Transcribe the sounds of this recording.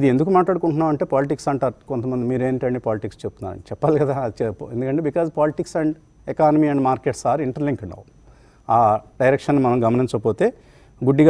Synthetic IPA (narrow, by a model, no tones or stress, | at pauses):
id̪iend̪ukumaːʈlaːɽukuɳʈunːaːʋɐɳʈe̞ːpaːliʈiksɐɳʈaːɾukont̪ɐmɐnd̪imiːɾeːniʈɐɳɖipaːliʈikst͡ʃeput̪unːa̰ːɐ̰ɳʈt͡ʃɛpːaːlikɐd̪aːt͡ʃɛend̪ukɐɳʈeːbikaːzpaːliʈiksɐɳɖ | ɛkaːnɐmiːɐɳɖmaːɾkeːʈsaːɾiɳʈɐɾliŋkɐnːɐ̰w | aːɖɐjɾekʂɐnːimɐnɐmɡɐmɐniɲt͡ʃɐpoːt̪e̞ː | ɡuɖːiɡa